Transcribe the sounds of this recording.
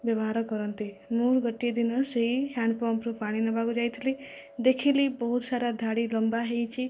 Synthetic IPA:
bjəbɦaɾɔkɔɾɔnt̪imuɾɡəʈːed̪inɔseɦihãɳɖ̚pɔmpɾupaɽ̃inɔbaɡud͡ʒajt̪ʰili | d̪ekʰilibɔɦut̪saɾad̪ʱaɽilɔmbaɦejt͡ʃʰi

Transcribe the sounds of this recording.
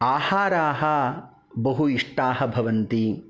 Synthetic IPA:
aːhaːɾaːɦɐ | bɐɦuiʂʈaːɦɐ̆bʱɐʋɐnt̪i

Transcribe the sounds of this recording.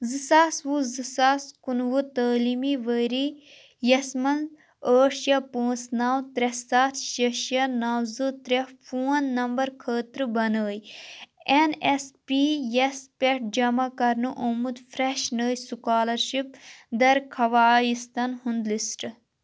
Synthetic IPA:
zɨsaːsʋuzɨsaːskunʋut̪əːlimiʋəɾi | jɐsmɐnz | əːʈʃjɐpə̃ːnsnaːwt̪ɾɐsaːt̪ʰʃɐʃjɐnaːwzɨt̪ɾefuːɐnːɐmbɐɾkʰəːt̪ɾɨbɐnəːj | enespijɐspʲeʈ̚d͡ʒɐmakɐɾnuʔoːmud̪fɾeʃnəːjsukaːlɐɾʃip̚d̪ɐɾkʰɐʋaːjist̪ɐnhund̪lisʈɨ

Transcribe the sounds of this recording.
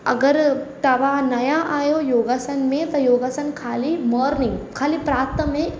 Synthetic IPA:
ɐ̰ɡəɾt̪ɐʋanɐjaʔaːjojoːɡaːsɐnmẽt̪ɐjoːɡaːsɐnkʰaːliməːɾnɪ̃ŋɡkʰaːlipɾaːt̪əmẽ

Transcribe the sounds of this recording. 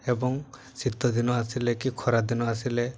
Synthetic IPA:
ebɔŋ | sit̪ːɔd̪inɔasilekikʰɔɾad̪inɔasile

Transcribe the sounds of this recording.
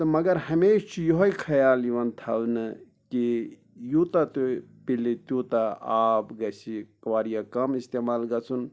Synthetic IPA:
t̪ɐmɐɡɐɾhɐmeːʃt͡ʃʰijoɦoikʰɐjaːliʋɐnt̪ʰɐʋnɨ | ki | jut̪ɐt̪upilit̪juːt̪aaːpɡɐsikɐʋaːɾijakɐmist̪eːmaːlɡɐt͡sʰun

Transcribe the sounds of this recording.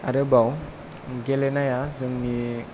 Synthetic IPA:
a̰ɾəbaw | ɡelenajazəŋni

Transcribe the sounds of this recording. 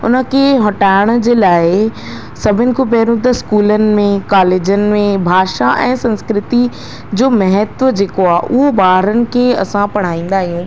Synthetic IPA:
ʊ̰nə̆kʰeɦɐʈaːɪɽ̃̆d͡ʑeːlaːɪ | sɐbʱɪnɪ̆kopɛɦɾũd̪ɪskuːlənɪ̆mẽkaːleːd͡ʑənɪ̆mẽbʱaːʃaʔɛ̃ːsɐ̃nskɾɪt̪i | d͡ʑoːmɐɦət̪ʋəd͡ʑeːkoaːʔʊɦobaːɦɾənɪ̆kʰeɐ̰sãpɐɽ̤̃aːĩːn̆d̪aːɦijũː

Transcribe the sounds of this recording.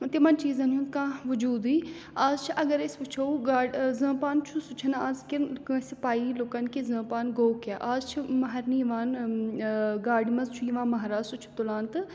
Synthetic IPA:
t̪imɐnt͡ʃiːzɐnɦjũnd̪kãːʋʊd͡ʒuːd̪iː | aːzt͡ʃʰiʔɐɡɐɾesput͡ʃʰoɡaːzə̃ːpaːnt͡ʃʰusʊt͡ʃʰɐnaːzkiksipaːiloːkɐnkezə̃ːpaːnɡoːwkaːʔaːzt͡ʃʰimɐɦɐɾnijiʋaːn | ɡaːɽimɐzt͡ʃʰuiʋãːnmɐɦɾaːzsʊt͡ʃʰi̥t̪ulaːnt̪ɨ

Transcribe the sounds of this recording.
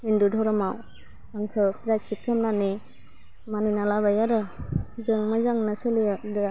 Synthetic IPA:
indudʱɔɾɔmaw | aŋkʰɯpɾasit̚kʰɯmnani | maninalaβajaɾɯzɯŋmazaŋnasɯlidɯ

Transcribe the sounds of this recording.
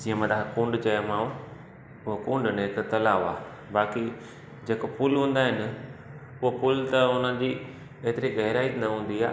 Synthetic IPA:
d͡ʑiəmə̃d̪aːkũːɳɖt͡ɕɐjəmãː | ʊɦokũːɳɖneɪkt̪ɐlaːʋa̰ː | baːki | d͡ʑeːkopʊlɦũːn̆d̪aːɦɪnɪ | ʊɦopʊlt̪ɐʊnə̃d͡ʑiː | eːt̪ɪɾiɡɐɦɪɾaːinɐɦũːn̆d̪ia̰ː

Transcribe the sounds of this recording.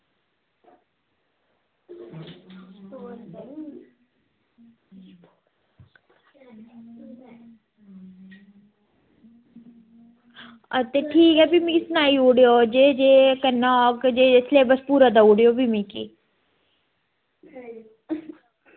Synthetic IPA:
ət̪eːʈʰiːkɦɛːbimĩsʊnaːiːoːɽɪjoːd͡ʒeːd͡ʒeːkənːakd͡ʒeːɪsleːbəspuːɾaːd̪aoːɽɪjoːbimĩːkḭː

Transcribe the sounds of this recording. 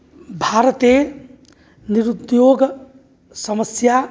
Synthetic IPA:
bʱaɾət̪e | niɾud̪joɡ | səməsja

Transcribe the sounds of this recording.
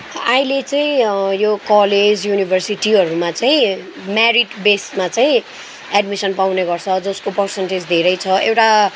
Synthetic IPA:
ajlet͡saĩjokʌled͡zjunibʱʌrsiʈiʌɾumat͡saĩ | maɾiʈbesmat͡saĩ | ɛɖmisʌnpawneɡʌrt͡sʰʌd͡zʌskopʌrsenʈed͡zd̪ʱeɾʌjt͡sʰʌʔewʈa

